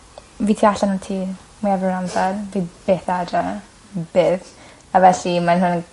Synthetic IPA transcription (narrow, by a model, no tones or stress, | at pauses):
viːtʰiːaɬanantʰiː | miavɾamsadviːb̥eːθadra | b̥eːθ | avɛɬimanɦʊn